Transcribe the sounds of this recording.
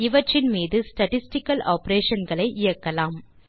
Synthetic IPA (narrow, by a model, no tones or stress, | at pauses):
ɪʋɐʈrɪnmiːðɯsʈɐʈɪsʈɪkːɐlʔaːpɾeːʂɐnɡɐɭɐɪʔɪjɐkːɐlaːm